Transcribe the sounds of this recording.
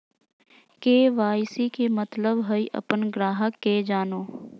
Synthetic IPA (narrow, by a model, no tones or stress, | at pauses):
keːʋaːjsikemət̪ləbɦəiʔə̰pənɡɾaːɦəkːed͡ʒaːnoː